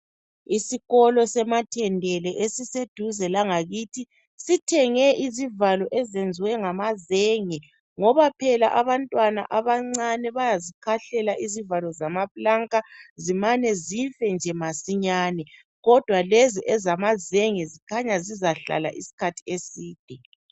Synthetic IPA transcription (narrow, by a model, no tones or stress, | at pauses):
isiɣɔlɔsɛmatʰɛndʱɛlɛʔesised̥ʱuzɛlaŋaɣitʰi | sitʰɛŋɛʔizivalɔʔɛzend͡zʱiwɛŋamazeŋɛ | ŋɔβapʰɛlaʔaβantʼwana̰ʔaβaŋ͡ǀanɛβajazikʰaɬɛlaʔizivalɔzamapʼlaŋkʼazimanɛzifɛnd͡ʒʱɛmasiɲaːnɛ | ɣɔd̥ʱwaleziʔɛzamazeŋɛzikʰaɲazizaɬa̰la̰ʔisi̥kʰatʰi̥esiːd̥ʱɛ